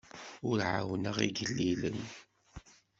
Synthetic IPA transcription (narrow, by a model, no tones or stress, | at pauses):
ʊɾʕawnəʁḭɡəlːilən